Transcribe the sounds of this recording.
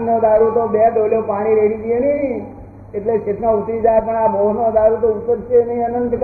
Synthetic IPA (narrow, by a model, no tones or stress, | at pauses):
nnod̪aɾut̪obed̪oljopaɽ̃iɾeɽid͡ʒieni | eʈleset̪naut̪ɾid͡ʒajpəɳabʱoɦnod̪aɾut̪out̪əɾt͡ʃʰeniənənd̪k